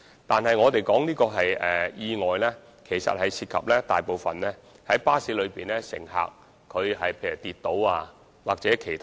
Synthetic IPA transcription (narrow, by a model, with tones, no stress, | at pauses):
t̪aː˨nɦɐ˨jŋɔː˨˧t̪e˨jkɔː˨˥ŋniː˥kɔː˧ɦɐ˨jɛ˨˩jiː˧ŋɔː˨jlɛː˥ | kʰe˨˩jsɐ̰˨t̚hɐ˨jsʰiː˧t̚kʰɐ̰˨p̚lɛː˥t̪a̰ː˨jpo˨wfɐ˨nlɛː˥ | hɐ˨˥jpaː˥si˨˥lɵ˨˧ɥpiː˨˩nlɛː˥sɪ̰˨˩ŋɦa̰ː˨k̚ʰː | ɵ˨˧ɥhɐ˨jpʰe˧jyː˨˩t̪iː˨t̪ːo˨˥waː˧ | waː˨k̚t͡sɛː˨˥kʰe˨˩jt̪ʰ